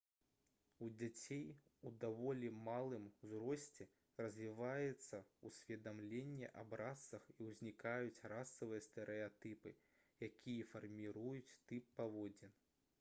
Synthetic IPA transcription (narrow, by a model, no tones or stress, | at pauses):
ud͡zʲat͡sʲejud̪avɔlʲimalˠɨmzɾɔsʲt͡sʲɛ | rɐzʲvʲivajɛt̪sːɐusʲvʲɛd̪amlʲenʲːɛʔɐbɾasːɐxiwzʲnʲikajut͡sʲrasːɐvɨjɐst̪ɛɾʔɛat̪ɨpɨ | jakʲijɛfɐrmʲiɾujut͡sʲt̪ɨpːavɔd͡zʲɛn